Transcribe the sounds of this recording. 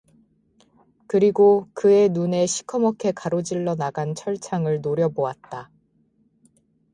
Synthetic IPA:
kɯɾiɡokɯe̞nune̞ɕʰi̥kʰʌmʌkʰe̞kaɾod͡ʑiɭːʌnaɡant͡ɕʰʌɭt͡ɕʰaŋɯɭnoɾjʌboat̚t͈a

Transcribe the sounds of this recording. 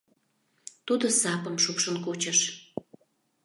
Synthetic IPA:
t̪ud̪əsɑpə̆mʃukʃənkot͡ɕəʃ

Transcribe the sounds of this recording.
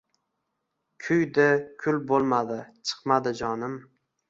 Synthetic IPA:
kʲʰʊjd̪ɪkʲʰʊlbolˠmad̪ɪt͡ʃʰɨ̥qmad̪ɪd͡ʒɒnɪm

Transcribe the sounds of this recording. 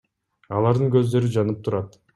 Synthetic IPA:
ɑlˠɑɾd̪ɯŋkø̞zd̪ø̞ɾyd͡ʒɑnɯp̚t̪ʰuɾɑt̪

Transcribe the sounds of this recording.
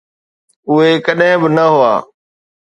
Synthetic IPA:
ʊɦekɐɗɦɪ̃bɪnɐɦʊa̰ː

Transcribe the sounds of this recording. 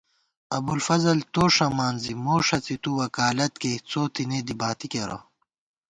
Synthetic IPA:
ɐ̰bulfɐzɐlt̪oːʂɐmaːnzimoːʂɐt͡sit̪uwɐkaːlɐt̪ket͡soːt̪ined̪ibaːt̪ikeɾo̰

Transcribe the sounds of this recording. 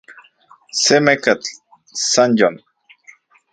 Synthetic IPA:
semekat͡ɬ | sanjon

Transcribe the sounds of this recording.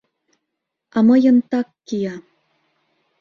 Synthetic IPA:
ɑmɤjə̆nt̪ɑkːijɑ

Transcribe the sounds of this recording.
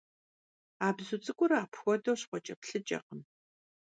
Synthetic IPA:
aːbzut͡sʼɨkʷʼʊɾaːpʰxʷɔdowɕχʷɔt͡ʃʼɐpɬɨt͡ʃʼɐ̰qəm

